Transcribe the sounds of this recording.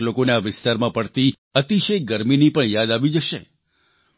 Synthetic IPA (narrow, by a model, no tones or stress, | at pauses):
lokoneaʋɪst̪aɾmãpəɽt̪i | ət̪iʃej̚ɡəɾminipəɳjad̪aʋid͡ʒəʃḛ